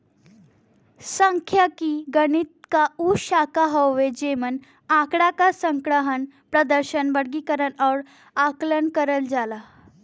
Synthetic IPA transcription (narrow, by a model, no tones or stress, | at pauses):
səŋkʰjakiɡəɽ̃it̪̚kauɕakaɦəwʋed͡ʑemən | ãkɽakasəŋkɽəɦən | pɾəd̪əɾɕənʋəɽɡikəɾənɔɾ | aklənkəɾəld͡zala